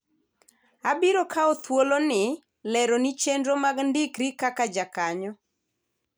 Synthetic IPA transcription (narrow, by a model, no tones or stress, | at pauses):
abiɾokʰaot̪wolonɪ | lɛɾonit͡ʃendɾomaɡndɪkɾikakad͡ʒakaɲɔ